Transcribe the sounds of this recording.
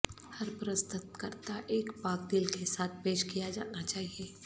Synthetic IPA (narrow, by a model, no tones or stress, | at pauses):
hɐɾpɾəst̪ʊt̪kɐɾt̪aʔeːkpaːkd̪ɪlkesaːt̪̚ʰpeːʃkijad͡ʒa̰ːnat͡ʃaːɦieː